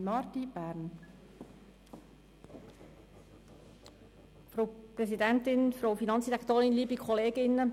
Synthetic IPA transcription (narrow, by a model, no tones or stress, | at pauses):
mɑɾtib̥æːɾn | fɾoʊpɾɛsidɛntɪnfɾowfinɑnt͡sd̥iʁɛkt̪oːɾɪnliːbikʰɔleːɡɪnːə